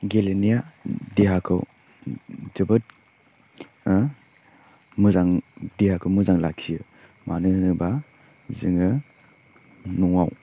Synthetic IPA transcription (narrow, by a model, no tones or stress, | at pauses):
ɡelenijadeɦakʰɯ̰w | d͡ʒɯbɯt̚ | mɯzaŋdeɦakʰɯwmɯzaŋlakʰiɯ | manɯnɯba | zɯŋɯ | nɔŋaw